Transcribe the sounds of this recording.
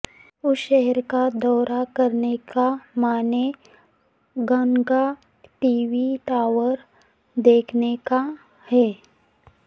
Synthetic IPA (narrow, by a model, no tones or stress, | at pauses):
ʊʃɛɦɛɾkad̪ɔːɾakəɾnekamaːne | ɡə̃ŋɡa | ʈiːʋiʈaːʋəɾ | d̪eːkʰneka | hɛː